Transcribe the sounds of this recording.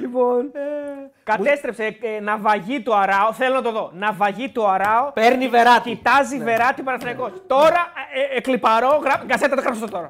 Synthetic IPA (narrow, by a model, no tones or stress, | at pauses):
lipone | kɐe̞st̪ɾe̞psenɐvɐʝit̪oɐɾɐoθelonɐt̪oðo̞nɐvɐʝit̪oɐɾɐopeɾniveɾɐt̪it̪ɐzive̞ɾɐt̪iopɐɾɐθnɐjkost̪o̞ɾɐːklipɐɾo̞ɣɾɐpɡɐset̪ɐt̪oɾɐpsost̪ot̪oɾɐ